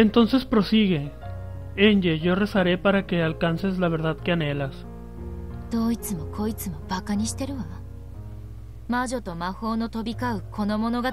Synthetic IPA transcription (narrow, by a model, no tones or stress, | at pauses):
e̞nt̪o̞nse̞spɾo̞siɣe̞ | eɲd͡ʒeʝo̞re̞saɾe̞paɾake̞alkanse̞zlaβ̞e̞ɾðaðke̞ane̞las | d̪̥o̞ːit͡sɨmo̞kʰo̞it͡sɨmo̞b̥akaɲ̟iɕi̥t̪e̞ɾɯ̟βa | maʑo̞t̪o̞maho̞ːno̞t̪o̞bʲikaɯ̟kʰo̞no̞mo̞no̞ɡa